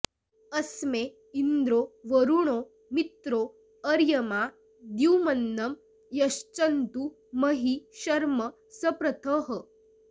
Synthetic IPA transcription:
əsme | ind̪ɾoʋəɾuɽ̃o | mit̪ɾo | əɾjəma | d̪uwmənːɐm | jɐɕt͡ɕənt̪u | məɦiɕɐɾmə | səpɾət̪ʰəɦə

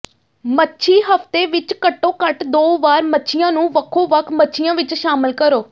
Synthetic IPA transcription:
mətːʃʰiːɦəft̪eːʋɪt͡ʃkəʈːõːkəʈd̪oːʋaːɾmətːʃʰijãːnũːʋəkʰːõːʋəkʰmətːʃʰijãːʋɪt͡ʃʃaːməlkəɾoː

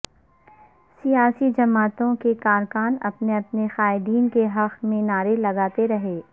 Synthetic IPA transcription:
sijaːsid͡ʒɐmaːt̪õkekaːɾkaːnɐ̰pneɐpnexaːɪd̪iːnkeɦɐqmẽnaːɾelɐɡaːt̪eɾɐɦeː

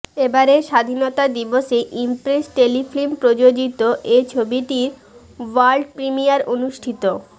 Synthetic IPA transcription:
ebaɾeʃad̪ʱinot̪ad̪iboʃeʔimpɾesʈeliflimpɾod͡ʑod͡ʑit̪oʔet͡ɕʰobiʈiɾ | waɾɖpɾimijaɾonuʃʈʰit̪o

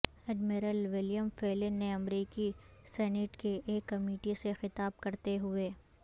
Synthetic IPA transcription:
ɛːɖmɪɾəlʋɪlijəmfeːlɪnːeɐmɾiːkisɛːnɪʈkeʔeːkːɐmiːʈisexɪt̪aːb̚kɐɾt̪eɦʊeː

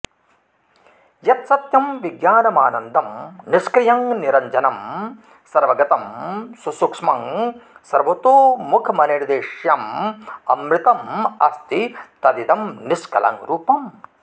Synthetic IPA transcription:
jɐt̪sɐt̪jɐmʋiɡjaːnɐmaːnɐnd̪ʱɐmniskɾɪjɐŋniɾɐɲd͡ʒɐnɐm | sɐɾʋɐɡɐt̪ɐmsusukʂmɐŋsɐɾʋɐt̪oːmukʰɐmɐniɾd̪eːʂjɐmɐmɾit̪ɐmɐ̰st̪it̪ɐd̪id̪ɐmniskɐ̰lɐ̰ŋɾuːpɐm

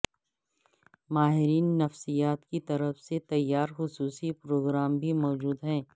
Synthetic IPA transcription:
maːɦɪɾiːnːɐfsijaːt̪kit̪ɐɾəfset̪ɐjːaːɾxʊsuːsipɾoːɡɾaːmbʱimɔːd͡ʒuːd̪ɦɛ̃ː

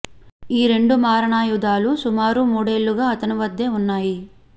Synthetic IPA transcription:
iːɾe̞ɳɖumaːɾɐɳaːjud̪aːlusumaːɾumuːɽe̞ːlːuɡaːɐt̪ɐnuʋɐd̪ːe̞ːunːaːji

